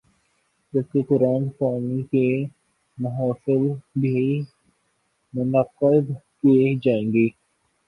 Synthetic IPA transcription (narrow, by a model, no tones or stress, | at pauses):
d͡ʒɐb̚kekʊɾaːnpaːnike | mɐɦaːsɪlbʱi | mʊnəqːəd̪ | ked͡ʒaːẽːŋɡeː